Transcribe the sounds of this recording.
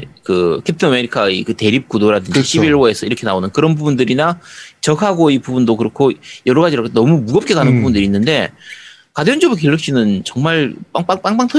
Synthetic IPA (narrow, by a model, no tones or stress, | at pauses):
kɯkʰep̚tʰɯname̞ɾikʰaikɯte̞ɾip̚k͈udoɾadɯnd͡ʑiɕʰibiɭʌe̞sʰʌiɾʌkʰe̞naonɯnkɯɾʌnbubundɯɾinat͡ɕʌkʰaɡoipubundokɯɾʌkʰojʌɾʌɣad͡ʑiɾoknʌmumuɡʌp̚k͈ekanɯnbubundɯɾiːnːɯnde̞ | kadeond͡ʑobuk̬eɭːɯk̚ɕ͈ʰinɯnt͡ɕʌŋmaɭp͈aŋp͈aŋp͈aŋp͈aŋtʰʌ